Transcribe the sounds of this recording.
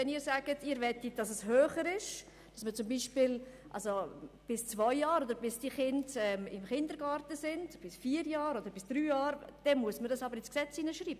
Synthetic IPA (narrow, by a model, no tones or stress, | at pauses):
ɛniːɾsaːɡ̥ətʰiːɾvɛtitd̥ɑsɛshøːχəɾɪʃ | d̥ɑsmət͡sʊmbiːʃpil | ʔɑ̰lsob̥ɪst͡svɔʏjɑːɾodəɾbɪsd̥iχɪndɛmɪmχɪndəɾɡɑːɾtəsɪndb̥ɪsfiːəɾjɑːɾod̪əɾbɪsd̥ɾyːjɑːɾd̥ɛnmuəsməɾdɑsɑbəɾɪsksɛt͡siːnəʃɾiːb̥ə